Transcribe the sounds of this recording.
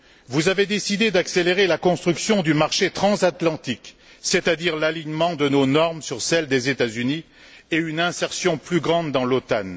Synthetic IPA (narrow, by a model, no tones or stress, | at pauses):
vuzaved̪esid̪ed̪akseleʁelakɔ̃st̪χyksjɔ̃d̪ymaʁʃet̪χɑ̃zat̪lɑ̃t̪ik | set̪ad̪iʁlaliɲmɑ̃d̪ənonɔʁmsyʁsɛld̪ezet̪azyni | eynɛ̃sɛʁsjɔ̃plyɡʁɑ̃d̪ːɑ̃lot̪an